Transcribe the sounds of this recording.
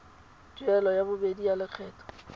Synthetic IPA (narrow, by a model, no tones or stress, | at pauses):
t͡ʃuɛlɔjabʊbedijalɪk͡xʰɛːtʰɔ̥